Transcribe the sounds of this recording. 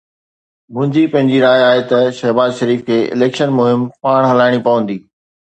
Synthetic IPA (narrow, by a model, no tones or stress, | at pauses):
mʊ̃ːɪ̃ɲd͡ʑipɐ̃ɦɪ̃ɲd͡ʑiɾaːjaːɦet̪ɐʃɐɦbaːzʃɐɾiːfkʰeːɪ̰lɛːkʃənmʊɦɪmpaːɽ̃ɦɐlaːɪɽ̃ipɐʋə̃nd̪iː